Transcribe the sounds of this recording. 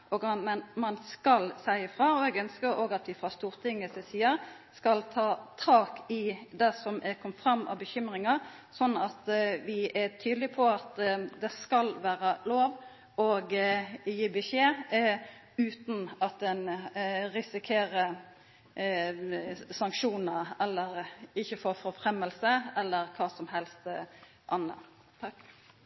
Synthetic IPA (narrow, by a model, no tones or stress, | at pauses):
ɔɡɑmɛnmɑnskɑlsæɪəfʁɑːɔɛɡœnskəɾoɡɑt̪ʋɪfʁɑst̪uːʁt̪ʰɪŋːəsɛsiːəɾ | skɑlt̪ʰɑːt̪ʰɑːkɪd̪ɛsɔmʔɛkʰɔmfʁɑmːɑ̰bəçʏmʁɪŋɑ | sɔnːɑt̪ʋɪʔæt̪ʰyːd̪lɪpʰɔɑt̪d̪ɛskɑlʋæːɾəloːʋ | ɔɡjiːbəʃeː | ʉːt̪n̩ɑt̪̚d̪ɛnɾɪsɪkʰeːɾə | sɑŋkʃuːnəɛlːəɾɪçːəfoːfɔfɾɛmːəlsəɛlːəɾkʰɑːsɔmɦɛlst̪ | ʔɑnːə̰ | t̪ʰ